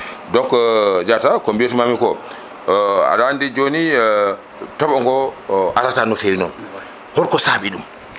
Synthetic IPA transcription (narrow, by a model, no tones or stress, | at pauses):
dɔkd͡ʒatakombietmamikɔ | a̰ɗandid͡ʒoni | tɔɓɔŋɡɔʔatatanɔfeɾinɔ̰n | hɔɾkɔsaɓiɗum